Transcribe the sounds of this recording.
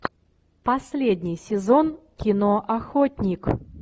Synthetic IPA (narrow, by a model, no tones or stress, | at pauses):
pɐsʲlʲedʲnʲɪjsʲɪzon | kʲɪnoʔɐxotʲnʲɪk